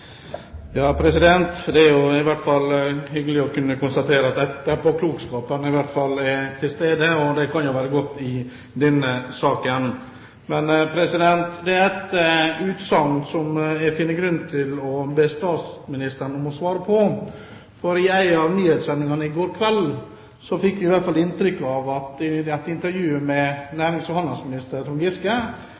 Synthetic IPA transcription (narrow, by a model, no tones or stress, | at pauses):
jɑːpʰɾɛsɪd̪ɛnt̪d̪ɛæɾjʊɪʋæɾʈ̪fɑlːhʏɡəlɪɔkʉnːəkʰʊnst̪ɑt̪ʰeːɾəɑt̪d̪ɛt̪ːəɾpɔkʰluːkskɑːpənɪʋæɾʈ̪fɑlːæt̪ʰɪlst̪eːd̪əɔd̪ɛkʰɑnjʊʋæːɾəɡɔt̪ːɪ | d̪ɛnːəsɑːkən | mɛnpʰɾɛsɪd̪ɛnt̪d̪ɛæɾɛt̪ʉːt̪sɑŋsɔmɛfɪːnːəɡɾʉnt̪ʰɪlɔbest̪ɑːt̪smɪnɪst̪əɾnɔmɔsʋɑːɾəpʰɔ | fɔɾɪæɪɑʋnyːhet̪sɛnːɪŋɑnəɪɡoːɾkʰʋɛl | sɔfɪkːʋɪɪʋæɾt̪fɑlɪnt̪ɾʏkːɑʋɑt̪ɪæt̪ɪnt̪əɾjʉːmɛnæːɾɪŋsɔhɑnɑlsmɪnɪst̪əɾt̪ʊŋɡɪskə